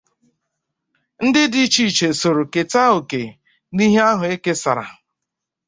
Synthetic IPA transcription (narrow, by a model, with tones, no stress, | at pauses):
n̩˦dɪ˦di˦t͡ʃiː˦˨t͡ʃe˨so˨ɾo˨ke˨ta˦o˨ke˨ | ni˦ɦe˦a˦ɦʊ˨e˦ke˦sa̰˨ɾa̰˨